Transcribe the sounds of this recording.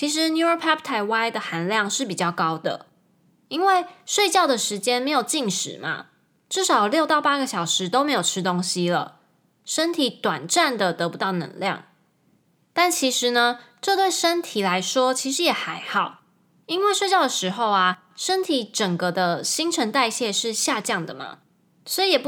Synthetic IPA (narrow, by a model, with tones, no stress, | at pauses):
t͡ɕʰi˨˥ʂ̬ɻ̩˧˦nju˥ə˧˥pʰa˥p̚t̪ʰa˧˩ɪwa˥ɪd̪ə˨xa˧˥nljɑ˥˨ŋʂɻ̩˥˩pi˨˩t͡ɕjɑ˥˩ʊkɑ˥ʊd̪ə̰˨ | i˦˥nwe˥˩ɪʂwe˥˧ɪt͡ɕjɑ˥˩ʊd̪ə˩ʂɻ̩˧˥t͡ɕjɛ˥nme˧˥ɪjo˨˩ʊt͡ɕi˥˩ŋʂɻ̩̰˨˩˦ma̰˨ | ʈ͡ʂɻ̩˥˩ʂɑ˨˩ʊljo˥˧ʊt̪ɑ˥˩ʊpa˥ɡə˨ɕɑ˨˩ʊʂɻ̩˧˥t̪o˥ʊme˧˥ɪjo˨˩ʊʈ͡ʂʰɻ̩˥t̪o˥ŋɕi˥lə̰˨ | ʂə˥nt̪ʰi˨˩t̪wa˨˩nʈ͡ʂa˥˨˩nd̪ə˨t̪ɤ˧˥pu˧˦t̪ɑ˥˩ʊnə̰˧˥ŋljɑ̰˥˩ŋ | t̪a˥˩nt͡ɕʰi˧˥ʂɻ̩˨˦nə˧ʈ͡ʂɤ˥˧t̪we˥˩ɪʂə˥nt̪ʰi˨˩la˧˥ɪʂwɔ˦˥t͡ɕʰi˧˥ʂ̬ɻ̩˧˦jɛ˨˩xa˧˥ɪxɑ˨˩˦ʊ | i˥nwe˥˧ɪʂwe˥˧t͡ɕjɑ˥˩ʊd̪ə˨˩ʂɻ̩˧˥xo˥˧ʊa˨˩ | ʂə˦nt̪ʰi˨˩˦ʈ͡ʂə˨˩ŋkə˨d̪ə˧ɕi˥ŋʈ͡ʂʰə˧˥nt̪a˥˧ɪɕjɛ˥˧ʂɻ̩˥˧ɕja˥˧t͡ɕjɑ˥˩ŋd̪ə˨˩ma̰˩ | sɔ˧˥i˨˧˥jɛ˨˩p